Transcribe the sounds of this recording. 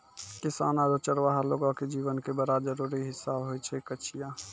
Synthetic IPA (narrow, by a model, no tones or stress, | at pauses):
kɪsaːnaɾot͡ʃəɾʋaɦaloːɡãked͡ʒiːʋənkebəɾad͡ʒəɾuɾiɦɪsaːbɦojt͡ʃʰɛkət͡ʃʰija